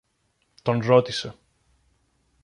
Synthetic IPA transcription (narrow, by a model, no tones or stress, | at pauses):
t̪o̞nɾo̞t̪ise̞